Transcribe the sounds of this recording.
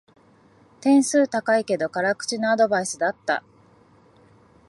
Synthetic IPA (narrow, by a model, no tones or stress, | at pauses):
t̪ẽ̞ɰ̃sɨːt̪akaike̞d̪o̞kaɾakɯ̟̥t͡ɕinoad̪o̞baisɨd̪at̪ːa̰